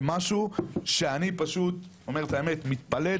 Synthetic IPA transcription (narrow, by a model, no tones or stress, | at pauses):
maʃuʃe̞anipaʃut̪ | o̞me̞ʁet̪aeme̞t̪mit̪pale